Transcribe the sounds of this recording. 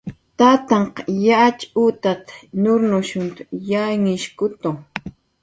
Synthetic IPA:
t̪at̪ɑɴqjat͡ʃut̪at̪nʊɾnʊʃʊnt̪ʊ̥jaŋɪʃkʊt̪o

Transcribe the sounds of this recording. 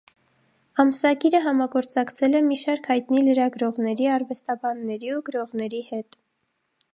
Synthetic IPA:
ɑməsɑɡiɾəɦɑmɑɡɔɾt͡sɑkt͡sʰɛlɛmiʃɑɾkʰhɑjt̪niləɾɑɡɾɔʁnɛɾiɑrvɛst̪ɑbɑnːɛɾiuɡəɾɔʁnɛɾihɛt̪

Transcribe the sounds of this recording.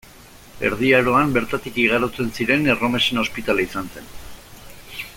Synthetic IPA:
e̞̰ɾð̞iaɾo̞ambe̞ɾt̪at̪ikiɣ̞aɾot͡se̞nsiɾe̞nero̞me̞seno̞spit̪alaisanse̞n

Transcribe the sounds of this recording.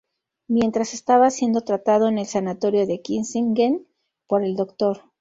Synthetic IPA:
mje̞nt̪ɾase̞st̪aβasje̞nd̪o̞t̪ɾat̪að̞o̞ene̞lsanat̪o̞ɾjo̞ðe̞kinsiŋɡen | po̞ɾe̞ld̪o̞kt̪o̞ɾ

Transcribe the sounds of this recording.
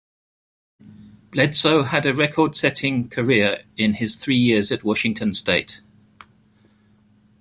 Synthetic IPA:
b̥lɛdsəʊədəɹɛkʰɔːd̥sɛtʰɪ̃ŋkʰəɹɪəɹɪ̃nɪz̥θɹiːjɪəzəʔwɒʃɪ̃ŋtʰə̃nsteɪt

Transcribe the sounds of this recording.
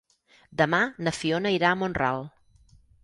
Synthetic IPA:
d̪əmanəfionəiɾaəmonra̰lˠ

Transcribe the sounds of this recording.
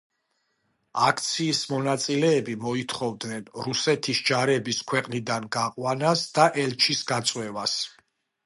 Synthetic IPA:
akʰt̪sʰiːsmɔnat̪sʼilɛːbimɔit̪ʰχɔvd̪nɛnɾusɛt̪ʰisd͡ʒaɾɛbiskʰwɛqʼnid̪anɡaqʼwanasd̪aʔɛlt͡ʃʰisɡat̪sʼwɛvas

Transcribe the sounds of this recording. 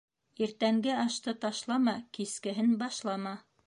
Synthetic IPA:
iɾt̪æŋɡɘɑʃt̪ɤt̪ɑʃlˠɑmɑkiskɘ̆ɦɘnbɑʃlˠɑmɑ

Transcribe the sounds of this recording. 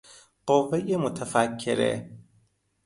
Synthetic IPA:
ɢ̥ovːejemot̪ʰæfækʰːḛɾḛ

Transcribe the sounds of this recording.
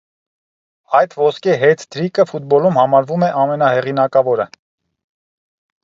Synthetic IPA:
ɑjt̪ʰvɔskiɦɛt̪ʰd̪ɾikəfut̪̚bɔlumhɑmɑɾvumɛʔɑmɛnɑhɛʁinɑkɑvɔɾə

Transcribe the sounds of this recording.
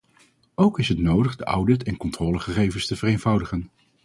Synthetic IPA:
owkɪsɦətnowdəχdəʔʌwdɪtɛnkɔntrɔːləχəχejvənstəvərejnv̥ʌwdəχən

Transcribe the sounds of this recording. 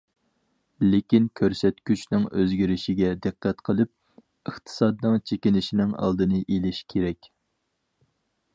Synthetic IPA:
lekʲinkʲʰøɾsɛt̪kʲyt͡ʃnɪŋøzɡʲiɾɪʃiɡʲɛd̪ɨqːɛt̪qʰəlˠɨp̚ | əχt̪ʰɨ̥sɑd̪nɨŋt͡ʃʰekʲinɪʃinɪŋɑ̰lˠd̪ɨnɨʔelɪʃkʲʰeɾɛkʲ

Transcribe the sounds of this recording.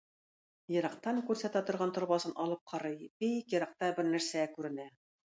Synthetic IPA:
jɤ̆ɾɑq̚t̪ɑŋkʉɾsæt̪æt̪ŏɾʁɑnt̪ŏɾβɑsɤnʔɑlˠɤp̚qʰɑɾɤjbikjɤ̆ɾɑq̚t̪ɑbɘɾnæɾsækʉɾɘ̆næ

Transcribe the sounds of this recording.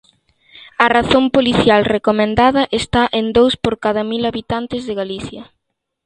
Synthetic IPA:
ɐraθompoliθjalrekomẽnd̪aðɐʔest̪aʔend̪owspoɾkaðɐmilaβit̪ant̪ɪzðɪɣaliθjɐ

